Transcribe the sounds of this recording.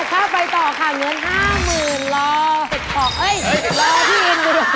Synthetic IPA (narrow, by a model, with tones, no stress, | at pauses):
k̪ʰaː˥˩pa˧jt̪ɔː˨˩kʰa˧˩ŋɤ˧˥˨nɦaː˥˩mɯː˨˩nlɔː˧he˨˩t̪̚sʰɔː˨˩˦k̚ʔɤ˦˥˩jlɔː˧t̪ʰiː˥˩ʔe˧nko˧ɾ